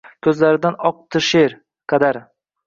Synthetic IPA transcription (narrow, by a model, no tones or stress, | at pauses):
kʲʰɵzlaɾɪd̪anɒq̚t̪ʰɪʃeɾ | qʰɑd̪aɾ